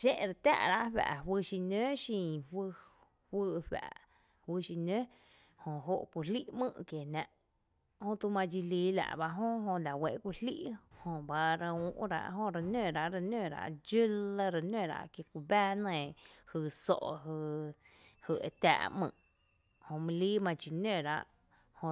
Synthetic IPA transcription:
ʃẽ˦ʔɾa˧t̪ʲa̰ː˦˧ʔɾa˧ʔɸa̰˨ʔwɨ˧ʃi˧nø̃˦ʃĩ˧˨hwɨ˧ | hwɨ˧ʔɸa̰˨ʔ | wɨ˧ʃi˧nø̃˦ | hõ˧˨ɦo˧ʔkʷu˧li˦ʔmɨ̰̃˦˧˨kje˨nã˧ʔ | hõ˧t̪u˧mã˧d͡ʒi˧liː˧˦la̰˨ʔba˧ʔɦõ˦ɦõ˧la˨we˧˨ʔkʷu˧lli˦ʔhõ˧ba˧ɾa˧ũ˧ʔɾa̰˧ʔɦõ˧ɾa˧nø̃˦˨ɾa˧˨ʔɾa˧nø̃˦˨ɾa̰˧˨ʔd͡ʒɨ˦la˧ɾa˧nẽ˦˨ɾa̰˧ʔkje˧kʷu˧bæː˦nə̃˧˨hɨ˧˨so̰˧˨ʔɦɨ˧ | hɨ˧˨e˧t̪a̰ː˧ʔmɨ̰̃˧˨ʔ | hõ˧mĩ˧liː˦mã˧t͡ʃi˧˨nø̃˧˨ɾa̰˧ʔ | hõ˧

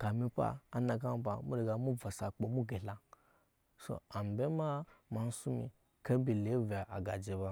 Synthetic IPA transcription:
ka˨mi˧pa̰ː˦na˧ɡa˦m˦ba̰˨mu˦ɾe˨ɡa˨mu˦va˨sa˨k͡po˨mu˦ɡe˨la˨ | so̰˨a˨m˨be˦ma˦ma˨n̩˦su˦mḭ˨ | ke˦bi˨le˨˦va˨ʔa˨ɡa˨d͡ʒe˨ba˦

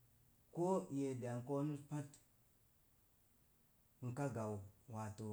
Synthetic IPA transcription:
ko˦je˨da˨ŋko˦nu˦spa˦t | ŋ̩˨ka˦ɡa˨wwa˨to˨

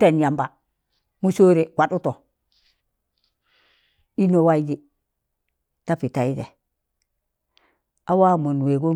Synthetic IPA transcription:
te˨nja˨mba˨ | mu˦so˦ɾe˨wa˨du˦to˨ | i˦no˨wa˦i˦d͡ʒi˨ | ta˦pi˨ta˨i˦dḛ˨ | a˦wa˦mu˨n˨we˨ɡo˦

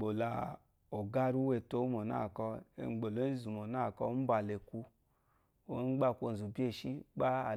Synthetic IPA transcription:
ɡ͡bo˨la˨ | o˨ɡa˦ɾu˦we˨to˦mo˨na̰˦˨kɔ˧ḛ˨ɡ͡bo˨lo˨˦zu˨mo˨na˦˨kɔ˧˦m̩˦ba˨le˨ku˧ | o˨˦ɡ͡ba˦˨kʷo˨n̩˨zu˨bi˦e˦˨ʃi˦k͡pa˦a˨

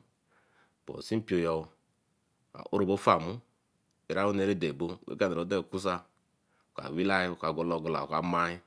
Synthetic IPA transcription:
bo̰˨si˦pi˨o˨jɔ˨ | a̰˨ʔu˦ɾo˨bo˦fa˨mu˦ | e˨ɾa˦wu˦ne˨ɾe˦de˨bo˦˨wḛ˦ɡa˦ne˨ɾo˨˦de˦˨ku˦s̬a˦˨ | ka̰˨wi˦la˦jka˨ɡo˨˦lo˨ɡo˨la̰˨ka˨˦ma˦i˦

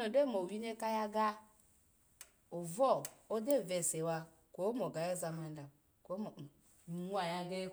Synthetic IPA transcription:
o˨de˦˨mo˨wi˦ne˦ka˦ja˦ɡa˦ | o˨vɔ˦˨o˦de˦˨ve˨se˨wa˦ | ko˦mo˨ɡa˨je˦za˨ma˨n˦da˨ | ko˦m˨˦ | nʷ˦a˨ja˦ɡe˦

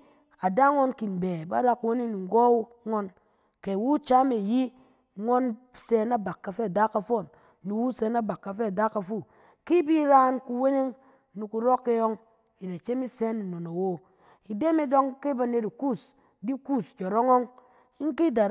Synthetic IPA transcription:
a˨da˦ŋo˦nki˨n˨be˨ba̰˦ɾa˦ku˨˦we˦ne˦ŋni˨ŋ̩˨ɡɔ˦ | ŋo˦n | ke˨wu˦t͡ʃa˦me˨ji˦ | ŋo˦n | se˦na˦ba˨kːa˨fe˦˨da˦ka˨fo˦˨n | ni˨wu˦se˦na˦ba˨kːa˨fe˦a˨da˦ka˨fu˦˨ | ki˦bi˦ɾa˦nku˨we˦ne˦ŋ | nu˨ku˨ɾɔ˦kːe˦jo˦ŋ | ji˨da˨t͡ʃe˦mi˦se˦ni˨no˨na˨wo˦ | i˨de˦me˦do˦ŋke˦ba˨ne˨ti˨ku˦s | di˦ku˦˨sd͡ʒo˨ɾo˦ŋo˦ŋ | i˦ŋ˦ki˦da˨

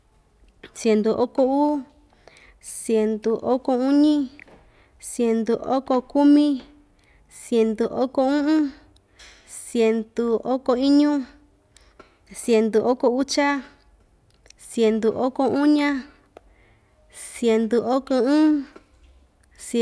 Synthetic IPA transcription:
sje˨nd̪u˨ʔo˦ko˧uː˦ | sje˨nd̪u˨ʔo˦ko˧ũ˦ɲĩ˦ | sje˧nd̪u˧ʔo̰˦ko˧ku˦mĩ˦ | sje˧nd̪u˨ʔo˦ko˧ũ˦ʔũ˦ | sje˧nd̪u˧o˦ko˧i˦ɲũ˦ | sje˨nd̪u˨ʔo˦ko˧u˦t͡ʃa˦ | sje˧˨nd̪u˨ʔo˦ko˧u˦ɲã˦ | sje˧nd̪u˧o˦ko˧ũ˦ | s

